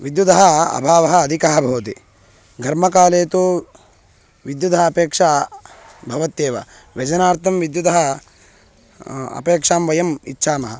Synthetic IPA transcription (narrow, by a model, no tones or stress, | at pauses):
ʋid̪jud̪ɐɦɐɐ̰bʱaːʋɐɦɐ̆ːd̪ʱikaɦɐbʱɐːɐt̪i | ɡʱɐɾmɐkaːleːt̪u | ʋid̪jud̪ʱɐɦɐɐpeːkʂa | bʱɐʋɐt̪jeːʋɐ̰ | ʋɐd͡ʒɐnaːɾt̪ʰɐmʋid̪jud̪ɐɦɐ | ɐ̰peːkʂaːmʋɐjɐmḭtːʃʰaːmɐɦɐ